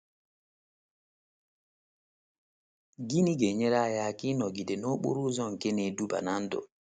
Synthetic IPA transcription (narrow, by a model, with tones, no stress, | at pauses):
ɡi˦ni˦ɡe˨ɲɛ˦ɾa˦ja˨ki˦nɔ˨ɡi˨dɛ˨nɔ˦ɓo̰˦ɾu˦zɔ˦˨ŋkɛ˦nɛ˨du˦ba̰˨na˦ndɔ̰˨